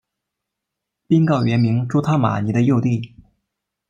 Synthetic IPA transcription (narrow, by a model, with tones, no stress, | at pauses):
pi˥nkɑ˥˩ʊɥɛ˧˥nmi˧˥ŋʈ͡ʂu˥t̪ʰa˥ma̰˨˩ni˧˥d̪ə˧jo˥˧ʊt̪i˥˩